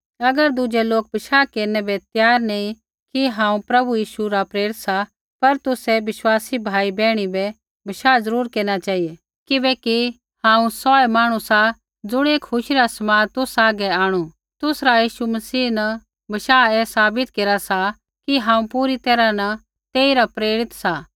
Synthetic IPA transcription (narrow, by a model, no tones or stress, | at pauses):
ɐɡəɾd̪ud͡ʒeloːk̚bʱɐʃaːkeːɾnɛbɛt̪jaːɾneĩ | kiɦãːũpɾɐbujiːʃuɾapɾeːɾɪt̪sa | pɐɾt̪ʊsɛʋɪʃwaːsibʱaːibɛːɽ̃ibɛ | bʱɐʃaːzɐɾuːɾkeːɾñat͡ʃaːɦije | kɪbɛki | hãːũsɔːɛmaːɽ̃usa | d͡zʊɽ̃eːkhʰʊʃiɾasɐmaːt̪ʊsaːɡɛaːɽ̃u | t̪ʊsɾajiːʃumɐsiːnɐ | bʱɐʃaːɛːsaːbɪt̪keːɾasa | kiɦãːũpuːɾit̪ɛːɾanɐ | t̪eːiɾapɾeːɾɪt̪sa